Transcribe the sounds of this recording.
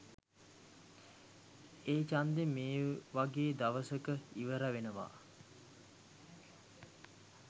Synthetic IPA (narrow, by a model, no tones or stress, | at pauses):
eːt͡ʃand̪emeːʋaɡeːd̪aʋəsəkəiʋəɾaʋenəʋa̰